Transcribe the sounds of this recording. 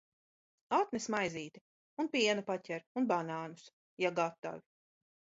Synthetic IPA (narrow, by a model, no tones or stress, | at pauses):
at̪nɛsmajziːt̪i | unpiɛnupacʲɛɾunbanaːnus | jaɡat̪ːa̰vi